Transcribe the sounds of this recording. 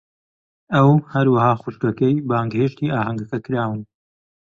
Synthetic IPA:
ɐwhɐɾwɐhaːχuʃt̪ɐkɛjbaːŋɡheːʃt̪iːʔaːɦɐŋɡɐkɐkɨɾaːwɨn

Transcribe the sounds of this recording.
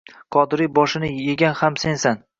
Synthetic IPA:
qʰɒd̪ɪɾijbɒʃɪnɪjeɡʲanhamse̞nsan

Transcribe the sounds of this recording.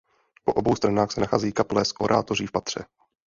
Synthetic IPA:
po̞ʔobowst̪ɾanaːxsɛnaxaːzɛjiːkaplɛːsʔoɾʔa̰ːt̪o̞riːfpat̪r̝̥ɛ̰

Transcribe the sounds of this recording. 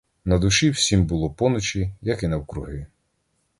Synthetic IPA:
nɐd̪ʊʃiwsʲimbʊlˠɔpɔnɔt͡ʃijɐkinɐwkɾʊɦɪ

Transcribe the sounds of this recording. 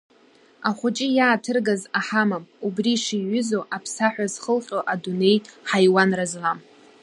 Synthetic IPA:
aχʷʊt͡ʃʼɪjaːtʰɨrɡazaħamamubriʂiɥʏzo̞ʔapʰsaħᶣʷazχəlqʲʼoʔadune̞jħajwanrazlam

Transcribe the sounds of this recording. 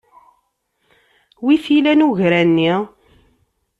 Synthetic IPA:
wiθilænuʝɾænːi

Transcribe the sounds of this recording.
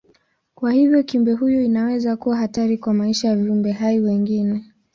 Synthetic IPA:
kwahivjɔkiumbɛɦujɔinawɛzakuwaɦataɾikwamaiʃajaviumbɛɦaiwɛŋɡinɛ

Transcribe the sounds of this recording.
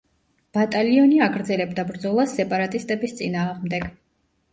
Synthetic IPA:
b̥at̪ʼaliɔniaɡɾd̪zɛlɛbd̪abɾd̪zɔlˠasːɛpʼaɾat̪ʼist̪ʼɛbist̪sʼinaːʁmd̪ɛɡ̥

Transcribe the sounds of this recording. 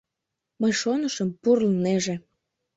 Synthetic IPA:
məjʃonəʃəmpurlneʒe

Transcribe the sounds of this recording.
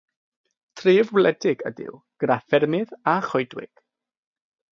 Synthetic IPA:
tʰriːvwlɛdɪɡə̰dɪ̰w | ɡ̥rafɛrmɪðaχɔjdwɪ̰ɡ̥

